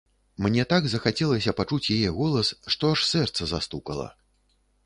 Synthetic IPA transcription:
mnʲɛt̪aɡzɐxat͡sʲɛlˠɐsʲɐpat͡ʂut͡sʲjajɛɣɔlˠɐsʂt̪ɔaʂsɛrt̪sɐzast̪ukɐlˠɐ̰

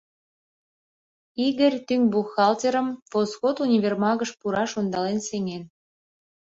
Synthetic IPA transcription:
iɣə̆rʲt̪yŋbuxɑlt̪ʲeɾə̆mposxot̪unʲiβʲermɑɣəʃpuɾɑʃond̪ɑlenseŋen

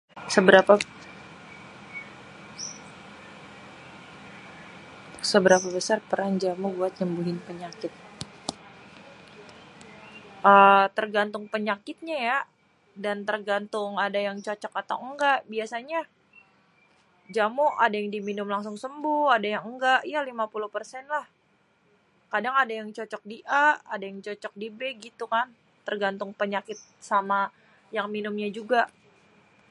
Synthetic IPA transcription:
səbəɾapa | səbəɾapabəsarpəɾaŋd͡ʒamʊbuat̪̚ɲəmbuɦɪnpəɲakɪt̪̚ | ʔət̪ərɡant̪ʊŋpəɲakɪt̪̚ɲaja | dant̪ərɡant̪ʊŋadajaŋt͡ʃot͡ʃɔkat̪awəŋɡaʔbiasaɲa | d͡ʒamʊʔadajaŋdiminʊmlaŋs̬ʊŋsəmbʊhadajaŋəŋɡaʔjalimapuluhpərsɛnlah | kadaŋadajaŋt͡ʃɔt͡ʃɔk̚diʔaadajaŋt͡ʃɔt͡ʃɔk̚dibeɡit̪ukan | t̪ərɡant̪ʊŋpəɲakɪt̪̚sama | jaŋminʊmɲad͡ʒuɡaʔ

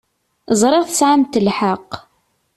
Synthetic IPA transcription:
zˤɾˤɪʁθə̥sʕamt̪əlħəq

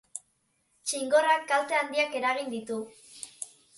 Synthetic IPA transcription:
t͡ʃiŋɡo̞rakːalt̪eand̪iake̞ɾaɣ̞ind̪it̪u

